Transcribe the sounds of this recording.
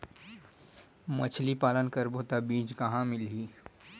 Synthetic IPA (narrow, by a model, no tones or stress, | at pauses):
mɐt͡ʃʰlipaːlənkəɾbʱoːt̪abiːd͡ʒkɐɦãmɪlɦiː